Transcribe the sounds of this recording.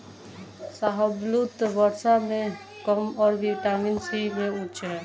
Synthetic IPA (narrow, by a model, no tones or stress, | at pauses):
saɦəblut̪ʋəɾsamẽ | kəmɔːɾʋiʈaːmɪnsimẽʊ̃t͡ʃɦɛː